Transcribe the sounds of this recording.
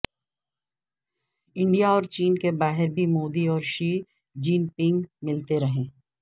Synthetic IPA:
ɪ̃ɳɖijaɔːɾt͡ʃiːnkebaːɦɪɾbʱimoːd̪iɔːɾʃiː | d͡ʒiːnpɪ̃ŋɡmɪlt̪eɾɐɦẽː

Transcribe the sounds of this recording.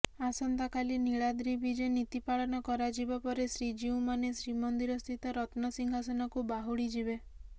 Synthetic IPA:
asɔnt̪akaliniɭad̪ɾibid͡ʒenit̪ipaɭɔnɔkɔɾad͡ʒibapɔɾesɾid͡ʒiũmanesɾimɔnd̪iɾɔst̪ʰit̪ɔɾɔt̪nɔsiŋɡʱasɔnɔkubaɦuɽid͡ʒibe

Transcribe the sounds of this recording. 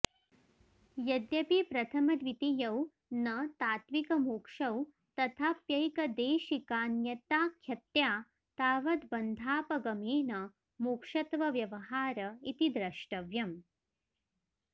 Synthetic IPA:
jɐd̪jɐpipɾɐt̪ʰɐmɐd̪ʋit̪ijɐw | nɐt̪aːt̪ʋikɐmuːkʂɐw | t̪ɐt̪ʰaːpjɐjkɐd̪eːʃikaːnjɐt̪aːkʰːjɐt̪jaː | t̪aːʋɐd̪̚bɐnd̪ʱaːpɐɡɐmeːnɐ | muːkʂɐt̪ʋɐʋjɐʋɐɦaːɾɐit̪id̪ɾɐʃʈɐʋjɐm

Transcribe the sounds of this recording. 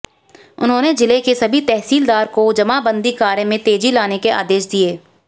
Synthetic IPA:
ʊnɦõːned͡ʒɪlekesɐbʱit̪ɛɦsiːld̪aːɾkod͡ʒɐmabə̃nd̪ikaːɾjə̃mẽt̪eːd͡ʒilaːnekeʔa̰ːd̪eːʃd̪ieː

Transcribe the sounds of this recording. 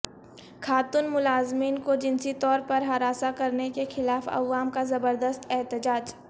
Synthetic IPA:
xʰaːt̪ʊnmʊlaːzmiːnkod͡ʒɪnsit̪ɔːɾpɐɾɦɐɾaːsakɐɾnekexɪlaːfɐ̰ʋaːmkazɐbəɾd̪əst̪ɛɦt̪ɪd͡ʒaːd͡ʒ

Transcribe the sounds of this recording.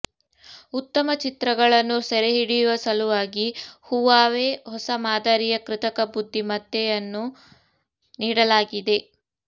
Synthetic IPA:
ut̪ːɐmɐt͡ʃit̪ɾɐɡɐɭɐnːusɛɾeɦiɽijuʋɐsɐluʋaːɡihuʋaːʋehɔsɐmaːd̪aɾijɐkɾɪt̪ɐkɐbud̪ʱːimɐt̪ːɛjɐnːu | niːɽɐlaːɡid̪e̞

